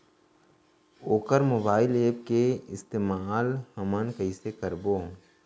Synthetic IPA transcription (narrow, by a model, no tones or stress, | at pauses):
oːkəɾmoːbaːɪleːp̚keɪst̪eːmaːlhəmənkəɪsekəɾboː